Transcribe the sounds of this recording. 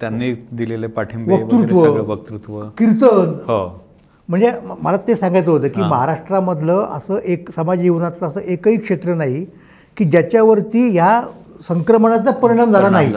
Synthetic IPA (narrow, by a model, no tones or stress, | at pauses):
t̪janːiːd̪ilelepaʈʰimɡʋək̪ɾut̪ʋəʋək̚t̪ɾut̪ʋəkiɾt̪ənɦo | m̤əɳd͡zeməlat̪esãŋɡajt͡səɦot̪əːkiːməɦaɾaʂʈɾaməd̪ʱləʔə̰səːʔeksəmad͡ʑjeʋnat͡saəsəʔekəɦiːkʂet̪ɾənaɦi | kiːd͡ʑjat͡ɕjaʋəɾt̪iːjasəŋkɾəməɳ̃at͡sapəɾiɽ̃amd͡zʱalanaɦi